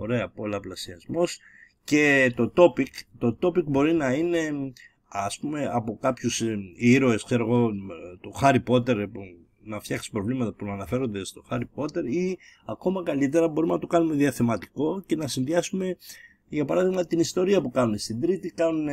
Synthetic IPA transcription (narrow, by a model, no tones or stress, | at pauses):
o̞ɾe̞ɐpo̞lɐplɐsiɐzmo̞s | ce̞t̪o̞t̪o̞pikt̪o̞t̪o̞pikbo̞ɾinɐine̞ | ɐspume̞ɐpo̞kɐpçusiɾoe̞skse̞ɾo̞ɣo̞t̪oxɐɾipo̞t̪e̞ɾp | nɐft̪çɐksi̥pɾo̞vlimɐt̪ɐpunɐnɐfe̞ɾo̞nd̪e̞st̪o̞xɐɾipo̞t̪e̞ɾiɐko̞mɐkɐlit̪̬e̞ɾɐbo̞ɾuimenɐt̪okɐnume̞ðiɐθe̞mɐt̪i̥ko̞ce̞nɐsinðiɐsume̞ | ʝɐpɐɾɐðiɣmɐt̪inist̪o̞ɾiɐpukɐnune̞st̪ind̪ɾit̪ikɐnune